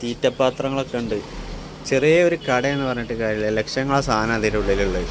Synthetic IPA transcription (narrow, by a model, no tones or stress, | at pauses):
t̪iːtːɐpːaːt̪rɐŋːɐɭokːɐɳɖɨ | t͡ɕerijɐo̞ɾukɐɽɐenːɨpɐrɐɲːuʈːɨkaːɾillekʂɐŋːɐɭsaːnaːðiɾɐuɭːɐiliɭːɐ